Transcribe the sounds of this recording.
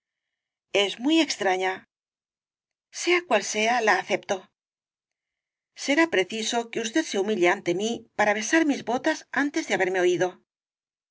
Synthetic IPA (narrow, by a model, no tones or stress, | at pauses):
e̞zmwie̞kst̪ɾaɲa | se̞akwalse̞alaːθe̞pt̪o̞ | se̞ɾapɾe̞θiso̞ke̞us̬t̪e̞ðse̞umiʎeant̪e̞mipaɾaβ̞e̞saɾmizβo̞t̪asant̪e̞zðeaβe̞ɾme̞o̞iðo̞